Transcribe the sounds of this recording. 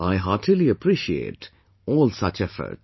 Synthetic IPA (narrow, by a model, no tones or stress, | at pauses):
aɪɦɑʈʰiliəpʰɾiʃiḛːʈ | ɔːlsʌt͡ʃɛfə̰ɾʈ